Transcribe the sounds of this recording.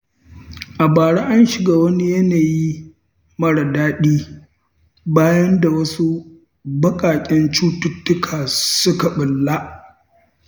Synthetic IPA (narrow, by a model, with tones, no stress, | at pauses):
ʔa˨baː˨ɽa˦ʔa˦nʃɪ˨ɡaː˦wɐ˦ni˦jɐ˦naː˨ji˦ | mɐ˦ɽa˨daː˦ɗiː˦ | baː˦jɐ˦nda˨wɐ˦su˦ | bɐ˦kʼaː˨kʲʼɛ˦nt͡ʃuː˦tʊ˦tːʊ˦kʰaː˨sʊ˦ka˨ɓɪ˨lːa˦ʔ